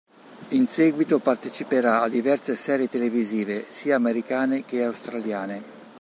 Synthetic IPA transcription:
insɛːɡwit̪opart̪et͡ʃipeɾaad̪ːivɛrsesɛːɾjet̪eleviziːvesiːaːmeɾikaːnek̟eawst̪ɾaljaːne

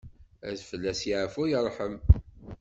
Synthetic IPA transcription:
æ̰ðfəlːæsjiʕəfujərˤːħəm

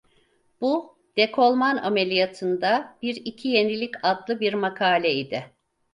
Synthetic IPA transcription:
b̥u | d̪̥ekʰo̞lˠmana̰melʲijat̪ʰɯnd̪abiɾicʰijenilʲicʰad̪lˠɯbiɾmakʰaːlʲɛid̪ɪ

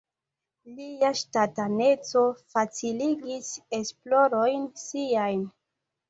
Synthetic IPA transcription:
liaʃtatane̞t͡so̞fat͡siliɡise̞splo̞ɾo̞jnsiajn

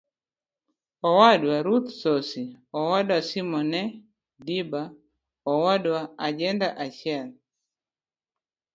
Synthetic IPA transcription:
ɔwadwaɾut̪sɔsi | ɔwadwasimɔnɛ | diba | ɔwadwaad͡ʒɛndaʔaʃjal

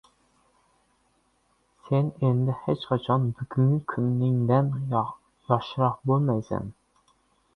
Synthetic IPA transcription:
sɛnend̪ɪhet͡ʃqʰɑt͡ʃʰɑnbyɡʲyŋkʲʰynːɪŋd̪ɛn | jɑχʃɨɾɑqbolˠmɛjsɛ̰n

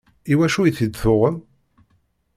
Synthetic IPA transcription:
iwæʃujθid̪θʊʁəm

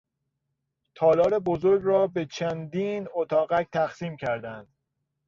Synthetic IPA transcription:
t̪ʰɒːlɒːɾebozoɾɡɾɒːbe̞t͡ʃʰænd̪iːnot̪ʰɒːɣæc̚ʰt̪ʰæxsiːmcʰæɾd̪ænd̪̥

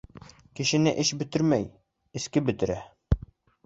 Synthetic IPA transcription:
kɘ̆ʃɘ̆nɘʔɘʃbɵ̆t̪ɘɾmæj | ɘ̆skɘbɵ̆t̪ɘ̆ɾæ

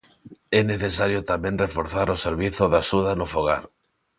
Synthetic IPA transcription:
ɛneθesaɾjot̪amẽnrefoɾθaɾoseɾβ̞iθoðasuðanofoɣa̰ɾ

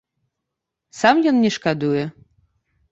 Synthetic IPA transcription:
samjɔnːʲɛʃkad̪ujɛ

